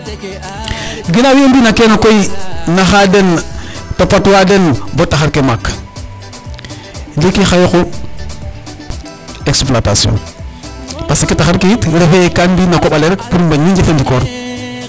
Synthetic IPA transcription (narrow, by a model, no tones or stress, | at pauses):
ɡinawimbinakenokoinaxadenpapatwadenbotːaxaɾkemak | ndikixajoxo | eksplata̰sio̰n | pasikitaxaɾkitɾefekanbinakoɓaleɾekpuɾmbaɲind͡ʒefend͡ʒikoɾ